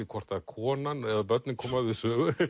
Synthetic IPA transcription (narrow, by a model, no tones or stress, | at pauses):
ɪkʰvɔr̥t̪akʰɔːnanɛðap̬œt̪nɪnkʰɔːmaðvɪðsœːɣʏ